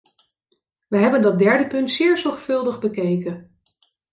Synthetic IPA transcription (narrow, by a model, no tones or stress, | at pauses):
ʋəɦɛbəndɑt̚dɛɹdəpɵntsɪːɹzɔɹχfɵlˠdəχbəkejkən